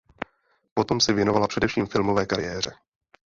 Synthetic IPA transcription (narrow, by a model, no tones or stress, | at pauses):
po̞t̪o̞msɛvjɛno̞valapr̥ɛdɛfʃiːmfɪlmovɛːkaɾɪjɛːr̝ɛ